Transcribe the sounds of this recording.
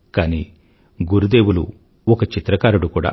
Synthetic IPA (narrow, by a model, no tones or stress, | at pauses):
kaːniː | ɡuɾud̪e̞ːwulṵ | ɔkɐt͡ʃit̪ɾɐkaːɾuɽukuːɽa̰ː